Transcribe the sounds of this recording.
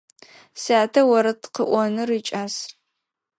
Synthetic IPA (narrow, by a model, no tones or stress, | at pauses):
saːtʰɐwɐɾɐtʰqəʔʷɔnɨrit͡ʃʼaːs